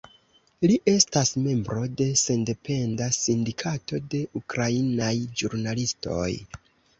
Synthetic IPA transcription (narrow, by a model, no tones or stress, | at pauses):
liʔe̞stasme̞mbɾo̞de̞se̞nde̞pe̞ndasindikʰato̞de̞ʔukɾainajd͡ʒuɾnalisto̞̰j